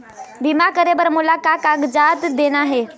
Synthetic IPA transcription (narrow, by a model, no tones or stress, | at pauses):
bimakəɾebəɾmulakakaɡd͡ʒat̪d̪enaɦe